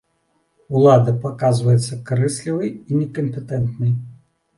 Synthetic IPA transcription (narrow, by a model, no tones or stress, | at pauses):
ulˠad̪ɐpakazvɐjɛt̪sːɐkaɾɨsʲlʲivɨjinʲɛkɐmpʲɛt̪ɛnt̪nɨj